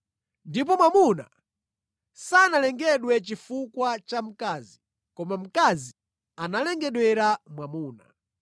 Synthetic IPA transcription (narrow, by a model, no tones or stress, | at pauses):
ndip̬ɔmwamuna̰ | sanalɛŋɡɛɗwɛt͡ʃifukwat͡ʃam̩kaːzi | kɔmam̩kazi | analɛŋɡɛɗwɛɾamwamuːna̰